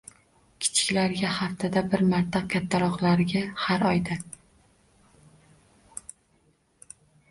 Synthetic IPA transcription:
kʲʰɪ̥t͡ʃʰɪ̥kʲlaɾɡʲahaft̪ʰɪd̪abɪɾmaɾt̪ʰakʲʰat̪ʰːaɾɒqlˠaɾɪɡʲahaɾɒjd̪a

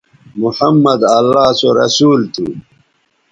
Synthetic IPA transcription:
muħɐmːɐd̪ɐlːaːsoɾɐ̰suːlt̪ʰu

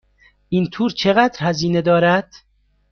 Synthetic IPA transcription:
int̪ʰuːɾt͡ʃʰeɣæd̪ɾhæziːned̪ɒːɾæd̪̥

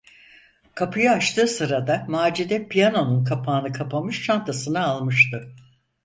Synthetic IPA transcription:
kʰapʰɯjaat͡ʃt̪ʰɯːsɯɾad̪amaːd͡ʒid̪ɛpʰijano̞nunkʰapʰaːnɯkʰapʰamɯʃt͡ʃʰant̪ʰasɯnaːlˠmɯʃt̪ɯ

